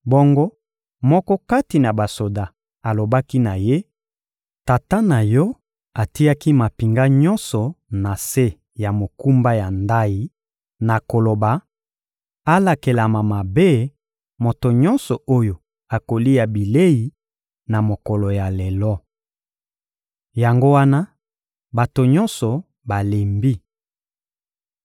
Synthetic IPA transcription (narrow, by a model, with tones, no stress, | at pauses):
bo˦ŋɡo˦ | mɔ˦kɔ˦ka˦ti˨na˨ba˨so˨da˨ | a˨lo˨ba˦ki˦na˨je˦ | ta˨ta˦na˨jɔ˦ | a˨ti˦ja˦ki˦ma˨pi˨ŋɡa˦ɲɔ˦nsɔ˨na˨se˦ | ja˨mo˨ku˦mba˦ja˨nda˦ji˦ | na˨ko˨lo˨ba˨ | a˦la˨ke˨la˨ma˨ma˨be˦ | mo˨to˨ɲɔ˦nsɔ˨ʔo˦jo˨ | a˨ko˨li˦ja˨bi˨le˦ji˨ | na˨mo˨kɔ˨lɔ˨ja˨lɛ˨lɔ˦ | ja˨ŋɡo˦wa˦na˦ | ba˨to˨ɲɔ˦nsɔ˨ | ba˨le˨mbi˦